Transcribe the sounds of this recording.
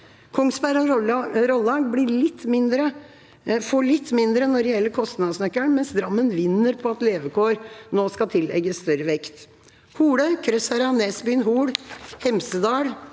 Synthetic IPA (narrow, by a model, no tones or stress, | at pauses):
kʰɔŋsbæɾəɾɔlːɑːɡbɽɪɭɪt̪ːmɪnd̪ɾə | fɔɭɪt̪ːmɪnd̪ɾənːɔɾɖɛjɛlːəɾkʰɔst̪nɑːd̪əsnœkːəɳmɛnsd̪ɾɑmːənʋɪnːəɾpʰɔɑt̪leːʋəkʰoːɾnoːskɑt̪ʰɪlɛ̰ɡəsst̪œɾəʋɛkt̪ | kʰuːɽœʏkʰɾœsæɾɑneːsbyːnɦuːɽhɛmsəd̪ɑːɽ